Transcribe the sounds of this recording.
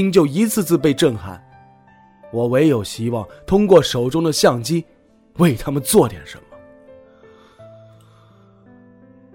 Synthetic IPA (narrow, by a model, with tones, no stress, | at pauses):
i˥ŋt͡ɕjo˥˩ʊi˧˥t͡sʰɹ̩˥˧t͡sɹ̩˥˧p̬e˥˧ɪʈ͡ʂɤ˥˩ŋxa̰˨˩˦n | wɔ˨˩we˧˥ɪjo˨˩ʊɕi˥wɑ˥˩ŋt̪ʰʊ˥ŋkwɔ˥˩ʂo˨˩ʊʈ͡ʂʊ˥ŋd̪ə˨ɕjɑ˥˩ŋt͡ɕi˥ | we˥˩ɪt̪ʰa˥mə˨nt͡swɔ˥˩t̪jɛ̰˨˩nʂə˧˥nmə˧